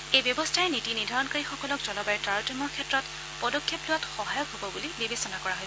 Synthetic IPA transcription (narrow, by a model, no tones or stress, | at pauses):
ejbjɔbɔstʰaɛnitinidʱaɹɔnkɔɹixɔkɔlɔkz̥ɔlɔbajtɹaɹɔtɔmɔkʰɛtɹɔt | pɔdɔkʰːeplʊwatxɔɦajɔkɦobɔbulibibesɔnakɔɹaɦoj